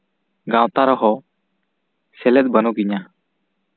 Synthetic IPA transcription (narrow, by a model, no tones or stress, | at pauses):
ɡãwt̪aɾɔɦɔ | sɛlɛt̪̚ˀbənɔɡiɲa